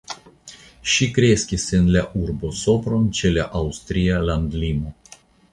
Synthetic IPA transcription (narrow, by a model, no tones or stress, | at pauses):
ʃikɾe̞skʲisenlaʔuɾbo̞so̞pɾo̞nt͡ʃe̞laʔawst̪ɾialand̪limo̞